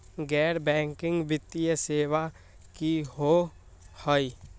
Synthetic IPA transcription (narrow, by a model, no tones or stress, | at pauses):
ɡɛːɾbɛ̃ːŋkɪ̃ŋɡbɪt̪ːijəseːʋa | kiɦo | həi